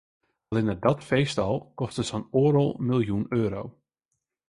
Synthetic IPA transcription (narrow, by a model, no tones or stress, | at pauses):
ɑlˠɪnədɔtfejstɑlˠkɔstəsɔnoːɾɔlˠmɪlˠjunøːɾow